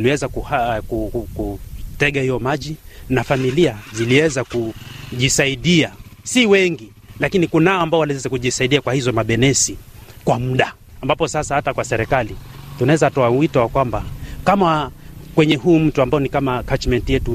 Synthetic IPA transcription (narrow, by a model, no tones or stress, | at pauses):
liwɛzakuakukutɛɠahijɔmaʄinafamiliaziliwɛzakuʄisaiɗiasiwɛŋɡi | lakinikunaɔambaɔwalwɛzɛkuʄisaiɗiakwahizɔmaɓɛnɛsikwam̩ɗa | ambapɔsasahatakwasɛɾɛkalitunaɛzatɔawitɔwakwambakamakwɛɲɛɦujum̩tuambajɔnikamakat͡ʃmɛntijɛtu